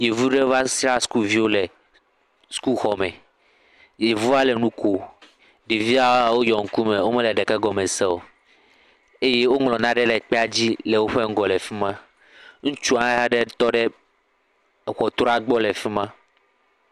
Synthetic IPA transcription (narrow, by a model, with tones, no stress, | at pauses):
je˨vu˦ɖe˦va˦sɾa˦sku˦lvi˦wo˦lɛ˨ | sku˦lxɔ˨mɛ̃˨ | je˨vu˦va˦lɛ˨nũ˦kʰo˨ | ɖe˨vi˦a˦wa˨wo˦jɔ˨ŋ̩˨ku˦mẽ˨wo˦mɛ̃˦lɛ˨ɖɛ˨kɛ˦ɡɔ˨mẽ˨sɛ˦wo˨ | e˦je˦wo˦ŋlɔ̃˨nã˦ɖɛ˦lɛ˨k͡pɛ˦a˦d͡ʑi˦lɛ˨wo˦ɸe˦ŋ̩˦ɡɔ˨lɛ˨fi˦mã˦ | ŋũ˦t͡ʃu˦ã˦ɦa˦ɖɛ˦t̪ɔ˦ɖɛ˦˨ | xɔ˨t̪ɾɔ˦a˦ɡ͡bɔ˦lɛ˨fi˦mã˦